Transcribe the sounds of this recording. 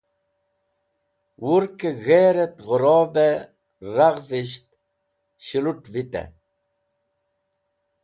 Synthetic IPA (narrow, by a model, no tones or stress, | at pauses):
wuɾkeɣeːɾet̪ɣʊɾɔːbe | ɾaɣziɕt̪̚ | ɕiluʈvit̪ḛ